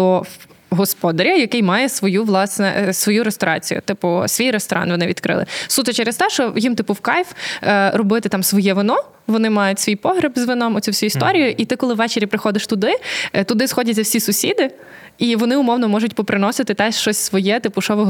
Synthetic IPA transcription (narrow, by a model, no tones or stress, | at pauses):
ɔ | ɦɔspɔd̪ɐɾʲɐjɐkɪjmɑjɛsʋɔjuʋlˠɑsnɛ̰sʋɔjuɾest̪ɔɾɑ̰t͡sʲḭjʊ̰t̪ɪpʊsʋʲijɾest̪ɔɾʔɑ̰nʋɔnɪʋʲid̪kɾɪ̰lˠɪ̰sut̪ɐt͡ʃɛɾest̪ɛʃɔjimt̪ɪpʊwkɑjfɾɔbɪt̪ɪt̪ɑmsʋɔjɛʋɪnɔ | ʋɔnɪmɑjʊtʲsʋʲijpɔɦɾʲɐbzʋɪnɔmɔt͡sʲuwsʲuist̪ɔɾʲijʊʔit̪ɪkɔlˠɪʋɛt͡ʃeɾʲipɾɪxɔd̪ɪʃt̪ʊd̪ɪt̪ʊd̪ɪsxɔdʲɐtʲzɐwsʲisʊsʲid̪ɪ | iʋɔnɪʊmɔwnɔmɔʒʊtʲpɔpɾɪnɔsɪt̪ɪt̪ɛʃt͡ʃɔsʲsʋɔjɛt̪ɪpʊʃɔʋɔ